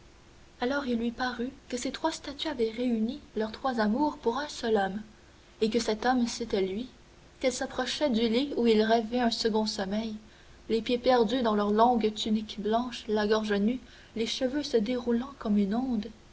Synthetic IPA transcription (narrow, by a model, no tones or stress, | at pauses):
alɔːʁilːɥipaʁykəset̪χwast̪at̪yavɛʁeynilœʁt̪χwazamuːʁpuʁɛ̃sœlɔm | ekəsɛt̪ɔmset̪ɛlɥi | kɛlsapχɔʃɛd̪yliuilʁɛvɛœ̃səɡɔ̃sɔmɛj | lepjepɛʁd̪yd̪ɑ̃lœʁlɔ̃ɡt̪ynikblɑ̃ːʃlaɡɔʁʒəny | leʃəvøsəd̪eʁulɑ̃kɔmynɔ̃d̪